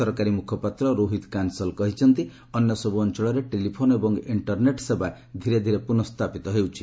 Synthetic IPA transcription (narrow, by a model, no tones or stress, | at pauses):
ɔɾkaɾimukʰɔpat̪ɾɔɾoɦid̪kansɔlkɔɦit͡ʃʰɔnt̪i | ɔnjɔsɔbuɔnt͡ʃɔɭɔɾeʈelipʰonebɔŋiɳʈɔɾneʈseba | d̪ʱiɾed̪ʱiɾepunɔst̪ʰapit̪ɔɦewt͡ʃʰi